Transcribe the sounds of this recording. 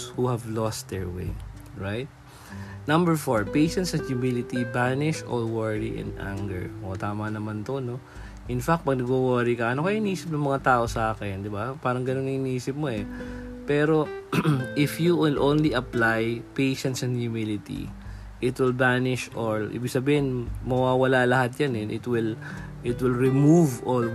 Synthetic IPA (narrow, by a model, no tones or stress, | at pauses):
huhɐvlɔst̪̚d̪ɛɹwḛɹajt̪̚ | nɐ̃mbɛɹfoɹpejʃɛ̃nt̪sɛnjumilɪt̪ibanɪʃʔɔlwɛɹɹiʔɛ̰̃nd̪ʔa̰ŋɡɛ̰ɹʔot̪aːmɐnɐmant̪ono̞ | ʔɪnfak̚t̪̚pɐɡ̚nɐɡwowoɾikɐʔɐnokɐʔɪniːsɪp̚nɐŋmɐŋat̪aːʔo̞sɐʔaːkɪnd̪ɪbapaːɾɐŋɡɐno̞nɐŋʔɪniːsɪp̚mo̞ɛpɛːɾo̞ | ʔɪfjuwɪlʔõnliʔɐplajpejʃɛ̃nt̪sɛ̃nhjumilɪt̪ḭ | ʔɪt̪wɪlbanɪʃʔolʔḭːbɪɡ̥̚sɐbiːhɪnmɐwaːwɐlalɐhat̪̚janɛnʔɪt̪wɪl | ʔɪt̪wɪlɹɪmuvʔol